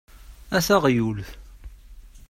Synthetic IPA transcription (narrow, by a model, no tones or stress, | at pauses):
æθæʁjulθ